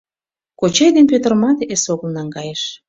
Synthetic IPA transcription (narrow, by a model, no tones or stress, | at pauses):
kot͡ɕejd̪enpʲøt̪ərmɑt̪esoɣəlnɑŋɡɑjeʃ